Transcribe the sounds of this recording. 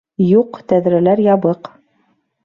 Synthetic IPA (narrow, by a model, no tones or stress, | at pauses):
juqt̪æðɾælæɾjɑβɤq